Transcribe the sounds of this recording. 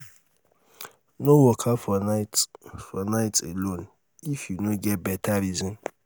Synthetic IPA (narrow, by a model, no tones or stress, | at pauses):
nowɔkʰafɔnaɪtfɔnaɪtelõn | ifjunoɡɛt̚bɛtʰaɾizɔ̃m